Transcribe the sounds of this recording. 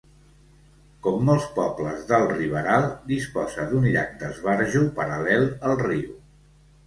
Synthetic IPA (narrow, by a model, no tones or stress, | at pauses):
kɔmːɔlˠspɔbləzðəlˠriβəɾalˠd̪ispɔzəd̪unʎa̰k̚d̪əzβaɾʒupəɾəlɛlˠəlˠriw